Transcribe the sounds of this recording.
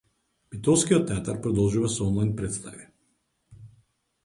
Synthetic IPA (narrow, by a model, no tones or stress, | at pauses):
bit̪ɔlˠskijɔt̪ːɛat̪aɾpɾɔd̪ɔlˠʒuvasɔɔnlˠajnpɾɛt̪st̪a̰vi